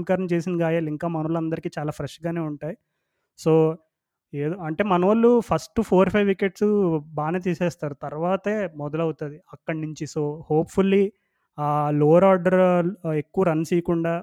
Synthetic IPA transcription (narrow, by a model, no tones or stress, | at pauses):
mkaːɾɐmt͡ʃeːsinɡaːjaːliŋkaːmɐnɐʋɐlɐnd̪ɐɾikiːt͡ʃaːlaːpʰɾɐʂɡaːne̞ːuɳʈaːji | soː | eːd̪oːɐɳʈe̞ːmɐnɐʋɐlːupʰɐsʈupʰo̞ːɾpʰɐjʋːikeʈsbaːnet̪̬iːsɛːst̪aːɾut̪ɐɾʋaːt̪eːmɔd̪ɐlɐwut̪ud̪iɐkːɐɽnuɲt͡ʃisoːhoːpfulːi | aːloːɾaːɾɖɐɾe̞kːuʋɐɾɐnːsiːɐkuɳɖaː